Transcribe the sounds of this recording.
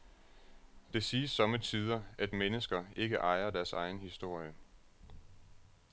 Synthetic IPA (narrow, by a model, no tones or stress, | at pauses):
d̥e̝siːsːɒ̽mət͡sʰið̞ˠɐʔæd̥menəsɡ̥ɐe̝ɡ̥əʔɑ̈ɪɐd̥æɐsɑ̈ɪn̩hisd̥o̝ɐ̰jə